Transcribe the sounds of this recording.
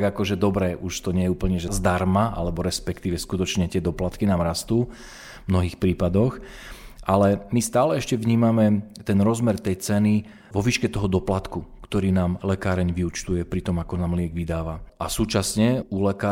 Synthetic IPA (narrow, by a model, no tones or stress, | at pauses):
ɡakɔʒɛd̪ɔbɾɛʔuʃt̪ɔɲɛjɛuːpl̩ɲɛʒɛzd̪aɾmaʔa̰lɛbɔɾɛspɛkt̪iːʋɛskut̪ɔt͡ʃɲɛt̪ɪɛd̪ɔplat̪kinaːmɾast̪uː | mnɔɦiːxpɾiːpad̪ɔx | ʔalɛmist̪aːlɛɛʃcɛʋɲiːmamɛt̪ɛnɾɔzmɛɾt̪ɛjt͡sɛni | ʋɔʋiːʃkɛt̪ɔɦɔd̪ɔplat̪kukt̪ɔɾiːnaːmlɛkaːɾɛɲʋiut͡ʃt̪ujɛpɾit̪ɔmakɔnaːmlɪɛɡʋid̪aːʋaʔasuːt͡ʃasɲɛulɛkaː